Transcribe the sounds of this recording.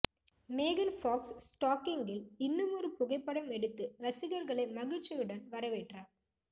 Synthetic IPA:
meːɣɐnfoːksːʈaːkɪŋɡɪlɪnːɯmɔrɯpʊɣɐɪpːɐɽɐmɛɽɯt̪ːɯɾɐsɪɣɐɾɣɐɭɐɪmɐɣɪt͡ʃːɐjɯɽɐnʋɐɾɐʋeːʈraːɾ

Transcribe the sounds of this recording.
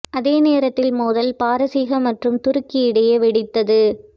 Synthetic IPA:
ʔɐðeːneːɾɐt̪ːɪlmuːðɐlpaːɾɐsiːɣɐmɐʈrɯmt̪ʊɾɯkːɪɪɽɐjeʋɛɽɪt̪ːɐðɯ

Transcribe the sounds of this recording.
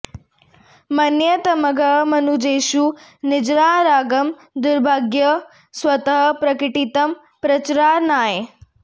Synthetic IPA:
mɐnjɐt̪ɐmɐɡʱɐɦmɐnud͡ʒeːʃunɪd͡ʒɾaːɾaːɡɐm | d̪ʊɾbʱaːɡjɐ | sʋɐt̪ɐɦɐpɾɐkiʈit̪ɐm | pɾɐt͡ʃɾaːnaːje

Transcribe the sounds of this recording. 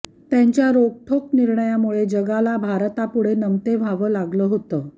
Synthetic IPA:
t̪jaɲt͡ɕjaɾok̚ʈʰokniɾɳəjamuɭed͡ʑəɡalabʱaɾt̪apuɽ̤enəmt̪eʋʱaʋəːlaɡləːɦot̪əː

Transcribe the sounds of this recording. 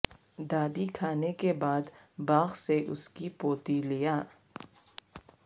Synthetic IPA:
d̪aːd̪ikʰaːnekebaːd̪ | baːɣseʔʊskipoːt̪ilijaː

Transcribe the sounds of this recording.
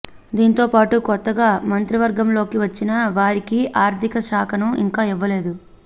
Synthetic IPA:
d̪iːnit̪o̞ːpaːʈukɔt̪ːɐɡaːmɐnt̪ɾiʋɐɾɡɐmlo̞ːkiʋɐt͡ʃːinɐʋaːɾikiʔaːɾt̪ʰikɐʃaːkʰɐnuḭŋkaːiʋːɐle̞ːd̪u

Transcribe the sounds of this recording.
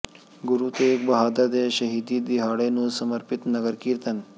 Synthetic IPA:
ɡuɾut̪ek̚bɐɦad̪ad̪eɕəɦid̪iːd̪iɦaɽenusəməɾpit̪nɐɡəɾkiɾt̪ən

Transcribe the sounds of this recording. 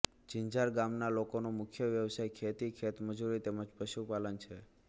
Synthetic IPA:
d͡ʒiɲd͡ʒaɾɡamnalokonomʊkʰjəʋjəʋsajkʰet̪ikʰet̪məd͡ʒuɾit̪eməd͡ʒpəʃupalənt͡ʃʰe

